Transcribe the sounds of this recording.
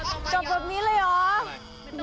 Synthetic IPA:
t͡ɕo˨˩p̚bɛː˨˩p̚niː˦˥lɤː˧˩jʔɔː˨˩˦

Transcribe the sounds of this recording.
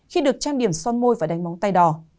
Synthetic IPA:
xi˧ɗɨ˨˩ək̚t͡ɕaː˧nɗi˧˩əmsɔ˧nmo˧jvaː˨˩ɗa˨˦jŋ̟ma˨˦wŋ͡mt̪a˧jɗɔ˧˩

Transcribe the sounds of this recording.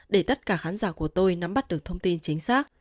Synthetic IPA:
ɗe˧˩t̪ə˦˥t̚kaː˧˩xaː˨˦nzaː˧˩ku˧˩ət̪o˧jna˨˦mɓa˦˥ɗɨ˨˩ək̚t̪ʰə˧wŋ͡mt̪i˧nt͡ɕï˨˦ŋ̟saː˦˥k̚

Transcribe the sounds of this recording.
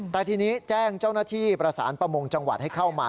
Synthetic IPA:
t̪ɛː˨˩t̪ʰiː˧niː˦˥t͡ɕɛː˥˩ŋt͡ɕaː˥˩wnaː˥˩t̪ʰiː˥˩pɾa˧sa̰ː˩˦npɾa˧mo˧ŋt͡ɕa˧ŋwa̰˨˩t̪̚ha˥˩jkʰa˥˩wmaː˧

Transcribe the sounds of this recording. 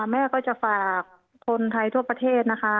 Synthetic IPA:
mɛː˥˩kɔː˥˩t͡ɕa˧˩faː˨˩k̚ʰː | o˧nt̪ʰa˧jt̪ʰu˧˥˩ɐpa˧t̪ʰeː˥˩t̪̚na˦˧˥kʰa˦˥

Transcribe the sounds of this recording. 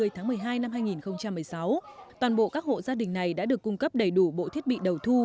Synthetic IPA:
ɨ˨˩əjt̪ʰaː˨˦ŋmɨ˨˩əjɦaː˧jna˧mɦaː˧jŋi˨˩nxə˧wŋ͡mt͡ɕa˧mːɨ˨˩əjsa˨˦wt̪waː˨˩nɓo̰˧˨kaː˦˥k̚ho̰˧˨zaː˧ɗï˨˩ŋ̟na˨˩jɗa̰ː˧˥ɗɨ˨˩əkːʊ˧ŋ͡mkə˦˥p̚ɗə˧˩jɗu˧˩ɓo̰˧˨t̪ʰi˦˥t̚ɓḭ˧˨ɗə˨˩wt̪ʰu˧

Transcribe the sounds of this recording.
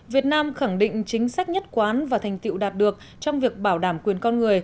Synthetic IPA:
vi˨˩ət̚naː˧mxa˧˩ŋɗḭ̈˧˨ŋ̟t͡ɕï˨˦ŋ̟sa˦˥jk̟̚ɲə˦˥t̚kwaː˨˦nvaː˨˩t̪ʰa˨˩ŋ̟t̪ḭ˧˨wɗaː˨˩t̚ɗɨ˨˩ək̚ | t͡ɕɔ˧wŋ͡mvi˨˩ək̚ɓaː˧˩wɗaː˧˩mkwi˨˩ənkɔ˧nŋɨ˨˩əj

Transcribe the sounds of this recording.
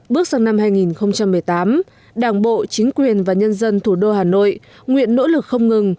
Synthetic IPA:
ɓɨ˦˥ək̚zaː˧ŋna˧mɦaː˧jŋi˨˩nxə˧wŋ͡mt͡ɕa˧mːɨ˨˩əjt̪aː˨˦m | ɗaː˧˩ŋɓo̰˧˨t͡ɕï˨˦ŋ̟kwi˨˩ənvaː˨˩ɲə˧nzə˧nt̪ʰu˧˩ɗo˧haː˨˩no̰˧˨j | ŋwḭ˧˨ənːo̰˧˥lɨ˨˩k̚xə˧wŋ͡mŋɨ˨˩ŋ

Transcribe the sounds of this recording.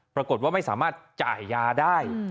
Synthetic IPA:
pɾa˧ko˨˩t̪̚waː˥˩ma˥˩jsaː˩˦maː˥˩t̪̚t͡ɕa̰ː˨˩jːaː˧daː˥˩j

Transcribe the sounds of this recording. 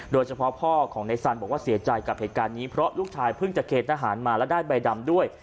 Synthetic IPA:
doː˧jt͡ɕʰa˧pʰɔ˦˥pʰɔː˥˩kʰɔː˩˦ŋna˧jsa˧nbɔː˨˩k̚waː˥˩si˩˦ɐt͡ɕa˧jka˨˩p̚heː˨˩t̪kaː˧nːiː˦˥pʰɾɔ˦˥luː˥˩k̚t͡ɕʰaː˧jpʰɯ˥˩ŋt͡ɕa˨˩ʔkʰeː˨˩t̪̚ʰaː˧ɦaː˩˦nmaː˧lɛ˦˥daː˥˩jba˧jda˧mdu˥˩əj

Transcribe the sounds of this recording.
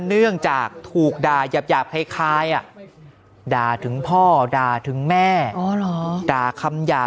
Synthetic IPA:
nɯ˥˩əŋt͡ɕaː˨˩k̚t̪ʰuː˨˩k̚daː˨˩jaː˨˩p̚jaː˨˩p̚kʰa˧˩jkʰaː˦˥jʔa˨˩ʔ | daː˨˧˩t̪ʰɯ˩˦ŋpʰɔː˥˩daː˨˩t̪ʰɯ˩˦ŋmɛː˥˩ɔː˨˧˦lɔː˩˨˦daː˨˩kʰa˧mjaː˨˩

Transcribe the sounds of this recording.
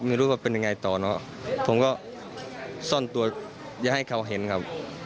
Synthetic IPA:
miː˧ɾuː˦˥˩waː˧˩pe˧nja˧ŋa˧jt̪ɔː˨˩nɔ˦˥ | pʰo˩˦mkɔː˥˩ | sɔ˥˩nt̪u˧ɐ | jaː˨˩ʔha˥˩jkʰa˧˩wɦe˩˦nkʰa˦˥p̚

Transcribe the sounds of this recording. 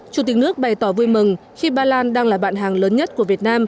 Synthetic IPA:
t͡ɕu˨˩t̪ï˨˩k̚nɨ˦˥ək̚ɓa˨˩jt̪ɔ˧˩vu˧əjmɨ˨˩ŋxi˧ɓaː˧laː˧nɗaː˧ŋlaː˨˩ɓa̰ː˧˨nɦaː˨˩ŋləː˨˦nɲə˦˥t̚ku˧˩əvi˨˩ət̚naː˧m

